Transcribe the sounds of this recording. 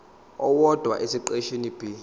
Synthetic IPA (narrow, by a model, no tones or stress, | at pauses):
ɔwɔd̥ʱwa̰ʔesiǃeʃenib̥ʱi